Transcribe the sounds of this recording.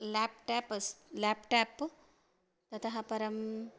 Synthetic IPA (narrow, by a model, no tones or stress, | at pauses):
læpʈapəslæpʈap | t̪ɐt̪ʰɐɦapɐɾɐm